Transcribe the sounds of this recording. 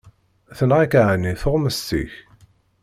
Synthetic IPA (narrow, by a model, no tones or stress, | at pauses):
θənʁikaʕəniθʊʁməstḭç